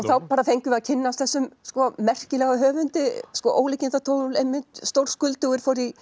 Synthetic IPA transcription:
ɔɣθawpaːɾaθejŋkʏmaðcʰɪnːast̪θɛsːʏmskɔmɛr̥cɪlɛɣaɦœːvʏnt̪ɪskɔʔoːwlɪcɪnt̪at̪ʰoːwnʏlejmːɪnt̪st̪owɾ̥skʏlt̪ʏɣɪɾ̥fɔɾi

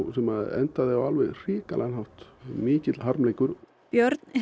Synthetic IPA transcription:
sɛmaðɛ̰nt̪aðɪɣawalvɛɣr̥iːkalɛ̰ɣanɦawht̪mɪːcɪt̪lɦaɾmlejkʏɾ | pjœɾt̪n

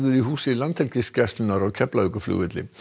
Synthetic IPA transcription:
ðʏɾiɦuːsɪlant̪hɛlcɪscɛst̪lʏnaɾaɣcʰɛplaʏkʏflʏ̰ːvɪt̪lɪ̰

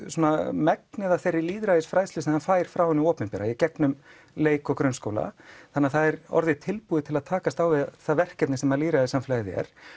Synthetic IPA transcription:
soːnamɛknɛðaθejrːɪliːðɾaðɪsfɾaːjslɪsnhanfaːjɾ̥fɾawhɛnːɪɔːpnɪmpɛːɾajɛcɛknʏm | leːjkɔkɾʏnskoːwla̰θanːɪaθaðɛɾɔ̰ɾðɪt̪ʰɪlpuːðɪt̪ʰɪlaðt̪ʰaːkast̪aːwvɪðaθaðvɛr̥cɛpnɪsɛmaliːðɾaðɪsamflajɪðɪɛ̰ɾ̥

